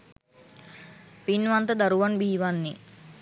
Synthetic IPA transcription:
pinʋant̪əd̪aɾuʋanbiːʋanːi

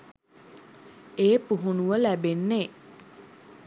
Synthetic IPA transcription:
eːpuɦunuʋəlæbenːe

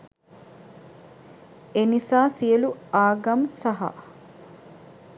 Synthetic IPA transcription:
enisaːsijəluaːɡɐmsɐɦɐ̰

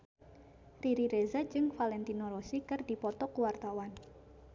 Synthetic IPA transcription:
riɾiɾezad͡ʒɨŋfalɛnt̪inoɾosikɨrdipɔt̪ɔkuwart̪awan

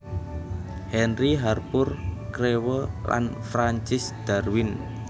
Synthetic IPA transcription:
hɛnriɦarpʊrkɾewəlʔa̰nfɾaɲt͡ʃɪsd̪̥arwɪn

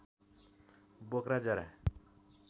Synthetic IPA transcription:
bokɾad͡zʌɾa̰

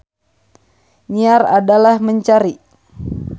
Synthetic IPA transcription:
ɲiaradalahməɲt͡ʃaɾi

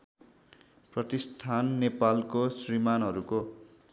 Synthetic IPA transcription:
prʌt̪ist̪ʰanːepalkosrimanɦʌɾuko

